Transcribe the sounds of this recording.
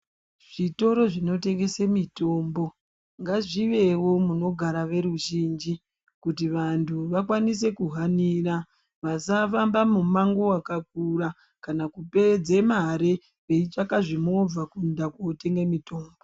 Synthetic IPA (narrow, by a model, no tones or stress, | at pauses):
ʐ̥ito̞ɾo̞ʐino̞te̞ŋɡe̞semito̞mbo̞ | ŋɡaʐiʋe̞wo̞muno̞ɡʱaɾaʋe̞ɾuʒiːnd͡ʒi | kutiʋantʰuʋakwanise̞kuɦaniːɾa | ʋasafambamumaŋɡo̞wakak̚uɾa | kanakupe̞d͡zemaɾe | ʋeit͡ʃakaʐimo̞b͡vakundakote̞ŋɡemito̞ːmbo̞